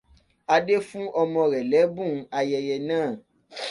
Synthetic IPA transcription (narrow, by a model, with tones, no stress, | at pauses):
a˧de˦fũ˦ʔɔ˧mɔ̃˧ɾɛ˨lɛ˨˦bũ˦˨˦a˧jɛ˧jɛ˧nãː˦˨